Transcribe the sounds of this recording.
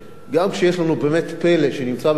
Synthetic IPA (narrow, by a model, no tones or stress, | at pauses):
ɡamkʃejeʃlanubeːmet̪peleʃenimt͡sab